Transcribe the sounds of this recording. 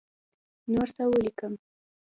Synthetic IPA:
noɾsawəlikəm

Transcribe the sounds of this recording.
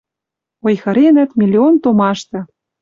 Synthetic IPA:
ojxɤ̆ɾenæ̆t̪mʲilʲːiont̪omɑʃt̪ɤ̆

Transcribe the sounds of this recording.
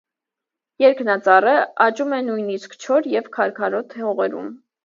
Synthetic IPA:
jɛɾkʰnɑt͡sɑrəɑt͡ʃumɛnujniskt͡ʃʰɔɾjɛvkʰɑɾkʰɑɾɔt̪ʰhɔʁɛɾṵm

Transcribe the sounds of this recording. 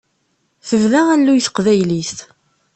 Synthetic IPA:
θəvðæænːujθə̥qvæjlist̪

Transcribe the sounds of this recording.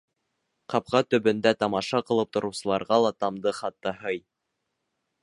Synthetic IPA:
qɑp̚qɑt̪ɵ̆bɵ̆nd̪æt̪ɑmɑʃɑqɤ̆lˠɤp̚t̪ŏɾɤ̆wsɤ̆lˠɑɾʁɑlˠɑt̪ɑmd̪ɤχɑt̪ːɤhɤj

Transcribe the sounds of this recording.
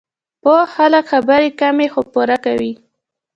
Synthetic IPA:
pəxaləkxabəɾekamexopuɾakawi

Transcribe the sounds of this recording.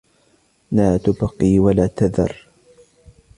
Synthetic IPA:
maːt̪ʊbqiːwalaːt̪aðɑ̰rˤ

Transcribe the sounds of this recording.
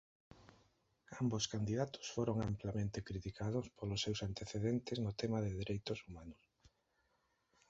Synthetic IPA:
amboskand̪iðat̪ʊ̥sfoɾoŋamplamẽnt̪ɪkɾit̪ikʰaðʊspolʊsːewsant̪eθeðent̪ɪznʊt̪ɛmaðɪðeɾʔejt̪ʊsumanʊs

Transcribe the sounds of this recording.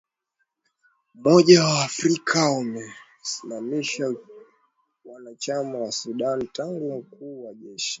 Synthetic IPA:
mɔʄawaːfɾikʰaumɛ | simamiʃa | wanat͡ʃamawasuɗantaŋɡum̩kʰuːwaʄɛʃi̥

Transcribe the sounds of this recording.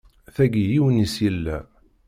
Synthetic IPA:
θæɡijiwənisjəlːæ

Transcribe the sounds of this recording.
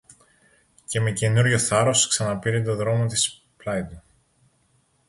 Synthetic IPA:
ce̞me̞cenuɾʝo̞θɐɾo̞sksɐnɐpiɾit̪o̞ðɾo̞mo̞t̪is | plɐjd̪u

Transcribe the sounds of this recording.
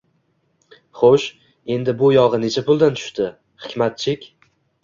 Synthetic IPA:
χoʃ | e̞nd̪ɪbʊjɒʁɨne̞t͡ʃʰapʊlˠd̪ant̪ʰʊ̥ʃt̪ɪ | χɪ̥kʲmat̪̚t͡ʃʰɪkʲ

